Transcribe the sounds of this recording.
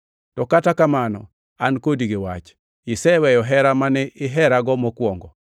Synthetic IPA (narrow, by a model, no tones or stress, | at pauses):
tɔkatakamanɔ̰ | ankodiɡɪwat͡ʃ | ɪsɛwɛjɔɦɛɾamanɛʔɪɦɛɾaɡɔmɔkwɔŋɡɔ